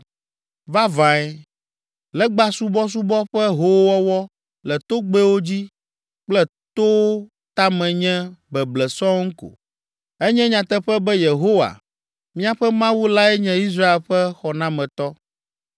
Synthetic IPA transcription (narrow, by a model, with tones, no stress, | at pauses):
va˦vã˨ɛ˨ | lɛ˦ɡ͡ba˦su˦bɔ˦s̬u˦bɔ˦ɸɛ˦ɦo˦wɔ˦wɔ˦ | lɛ˨t̪o˦ɡ͡bɛ˦wo˦d͡ʑi˦ | k͡plɛ˦ | t̪o˦ | t̪a˦mɛ̃˨ɲɛ̃˦bɛ˨blɛ˨sɔ̃˦ŋ̩˦ko̰˨ | ɛ˦ɲɛ̃˦ɲã˨t̪ɛ˦ɸɛ˦bɛ˦je˨ɦo˦wa̰˨ | mĩ˦a˦ɸɛ˦mã˦wu˦la˦ɛ˦ɲɛ̃˦i˦s̬ɾa˦e˨lɸɛ˦xɔ˨nã˦mɛ̃˨t̪ɔ˦